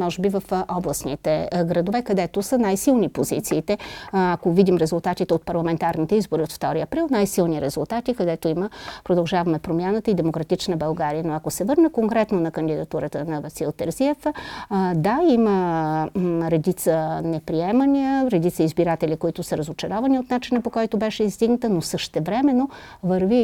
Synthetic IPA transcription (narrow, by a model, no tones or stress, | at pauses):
mɔʒɛbivəfɔblˠəsnit̪ɛɡɾɐd̪ovɛkɐd̪ɛt̪osənajsilˠnipozit̪siːt̪ɛakovid̪imɾɛzulˠt̪at̪it̪ɛot̪̚pɐɾlˠɐmɛnt̪aɾnit̪ɛizboɾiot̪ft̪ɔɾiɐpɾilˠnajsilˠniɾɛzulˠt̪at̪ikɐd̪ɛt̪oiməpɾod̪ɐlˠʒavɐmɛpɾomʲjanət̪əid̪ɛmokɾɐt̪it͡ʃnəbɐlˠɡaɾijənoɐkosɛvɤɾnəkoŋkɾɛt̪nonɐkənd̪id̪ɐt̪uɾət̪ənɐvɐsilˠt̪ɛɾziɛf | d̪aimə | ɾɛd̪it̪sənɛpɾiɛməniəɾɛd̪it̪səizbiɾat̪ɛlʲikoit̪ʊsəɾɐzot͡ʃɐɾɔvɐniot̪nat͡ʃinəpokɔjt̪obɛʃɛizd̪iɡnɐt̪ənosəʃt̪ɛvɾɛmɛnovəɾvi